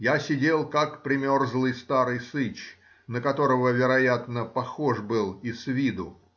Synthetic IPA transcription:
jasʲɪdʲelˠkakpɾʲɪmʲo̞rzlˠɨjst̪aɾɨjsɨt͡ɕ | nəkɐt̪o̞ɾəvəvʲɪɾɐjat̪nəpɐxo̞ʐbɨlˠisvʲid̪ʊ

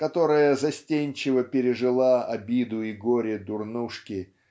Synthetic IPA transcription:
kɐt̪o̞ɾəjəzɐsʲtʲenʲt͡ɕɪvəpʲɪɾʲɪʐɨlˠaɐbʲid̪ʊiɡoɾʲɪd̪ʊrnuʂkʲɪ

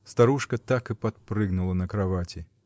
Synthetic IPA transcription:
st̪ɐɾuʂkət̪akɨpɐt̪̚pɾɨɡnʊlˠənəkɾɐvatʲɪ

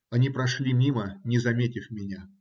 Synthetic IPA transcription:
ɐnʲipɾɐʂlʲimʲimənʲɪzɐmʲetʲɪfmʲɪnʲa

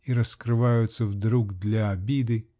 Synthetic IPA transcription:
iɾɐskɾɪʋajʊt̪sʲːɐwd̪ɾuɡd̪lʲɐːbʲid̪ɪ

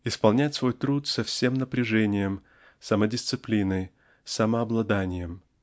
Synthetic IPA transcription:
ɪspɐlˠnʲætʲsvo̞jt̪ɾut̪sɐfsʲe̞mnəpɾʲɪʐɛnʲɪjəm | sɐmədʲɪst̪sɨplʲinəj | sɐməɐblˠɐd̪anʲɪjəm

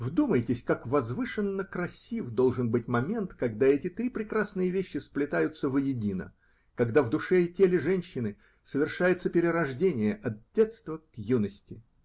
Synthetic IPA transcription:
vd̪uməjtʲɪsʲkakvɐzvɨʂɨnːəkɾɐsʲivd̪o̞lˠʐɨnbɨt̚ʲmɐmʲe̞nt̪kɐɡd̪aɛtʲɪt̪ɾʲipɾʲɪkɾasnɨjəvʲeɕːɪsplʲɪt̪ajʊt̪səvəjɪdʲinə̰ | kɐɡd̪avd̪ʊʂɛɪtʲelʲɪʐɛnʲɕːɪnɨ | səvʲɪrʂajɪt̪səpʲɪɾʲɪɾɐʐdʲenʲɪjəʔɐt̪̚dʲet̪st̪vəkjunəsʲtʲɪ

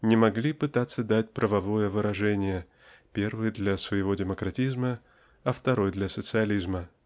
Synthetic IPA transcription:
nʲɪmɐɡlʲipɨt̪at̪sːəd̪atʲpɾʔəvɐvo̞jəvɨɾɐʐɛnʲɪjə | pʲe̞rvɨjd̪lʲɐsvəjɪvo̞dʲɪməkɾɐtʲizmə | ɐft̪ɐɾo̞jd̪lʲɐsət̪sɨɐlʲizmə

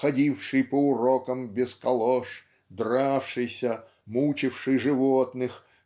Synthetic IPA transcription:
xɐdʲifʂɨjpəʊɾokəmbʲɪskɐlˠoʂ | d̪rafʂɨjsʲə | mut͡ɕɪfʂɨjʐɨvot̪nɨx

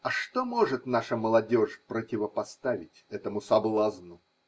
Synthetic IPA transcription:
ɐʂt̪omoʐɨt̪naʂəməlˠɐdʲoʂpɾətʲɪvəpɐst̪avʲɪtʲɛt̪əmʊsɐblˠaznʊ

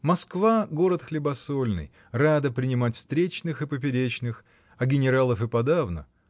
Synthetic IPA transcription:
mɐskvaɡo̞ɾət̪xlʲɪbɐsolʲnɨ̰j | rad̪əpɾʲɪnʲɪmatʲfst̪ɾʲet͡ɕnɨxɨpəpʲɪɾʲet͡ɕnɨx | ɐɡʲɪnʲɪɾalˠəfɨpɐd̪avnə̰

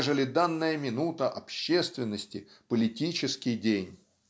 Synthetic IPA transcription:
ʐɨlʲɪd̪anːəjəmʲɪnut̪əʔɐpɕːest̪vʲɪnːəsʲtʲɪpəlʲɪtʲit͡ɕɪskʲɪjdʲenʲ

